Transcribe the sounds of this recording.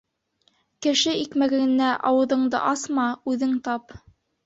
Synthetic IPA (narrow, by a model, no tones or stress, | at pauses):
kɘ̆ʃɘikmæɡæɘ̆nːæʔɑwɤ̆ðɤ̆ɴd̪ɤ̰ʔɑsmɑʉðɘŋt̪ɑp